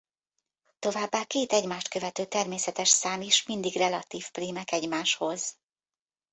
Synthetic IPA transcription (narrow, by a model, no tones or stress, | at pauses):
t̪o̞vaːbːaːkeːt̪ɛɟmaːʃt̪kø̞vɛt̪øːt̪ɛrmeːsɛt̪ɛʃsaːmiʃmind̪iɡrɛlɒt̪iːfpriːmɛkɛɟmaːʃho̞z̥